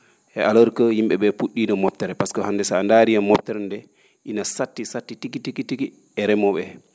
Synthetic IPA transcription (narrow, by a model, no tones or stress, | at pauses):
ʔɛʔaloɾkəhimɓɛɓɛpuɗːinɔmɔp̚tːɛɾɛpaskɔhandɛsandaɾijamɔp̚tɛɾɛndɛ | ʔinasatːisatːitikitikitiki | ɛɾɛmɔɓɛ